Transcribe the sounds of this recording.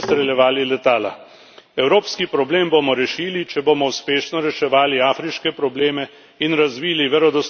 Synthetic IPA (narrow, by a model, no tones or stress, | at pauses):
st̪ɾɛljɛʋaːlilɛt̪aːla̰ | ɛwɾoːpskipɾɔbleːmbomɔɾɛʃiːlit͡ʃɛboːmɔuspeːʃnɔɾɛʃɛʋaːliaːfɾiʃkɛpɾɔbleːmɛ | inɾazʋiːliʋɛɾɔd̪ɔs